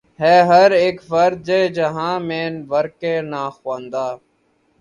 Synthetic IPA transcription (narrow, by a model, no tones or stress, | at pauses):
heːɦəɾeːkfəɾd̪̚d͡ʒeːd͡ʒəɦãːmẽːnʋəɾkẽːnaːxwãːnd̪aː